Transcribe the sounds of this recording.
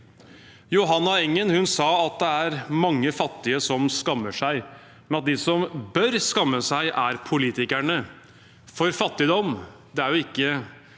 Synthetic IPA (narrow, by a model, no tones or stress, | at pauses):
jʊɦɑnːɑɛŋːənhʉnsɑːɑt̪̚d̪ɛæɾmɑŋːəfɑt̪ːɪəsɔmskɑmːəʂæɪ | mɛnɑt̪̚d̪ɪsɔmbœɾskɑmːəsæɪʔæɾpʰʊliːt̪ɪkæɳə | fɔɾfɑt̪ːɪd̪ɔm | d̪ɛæɾjʊɪkːə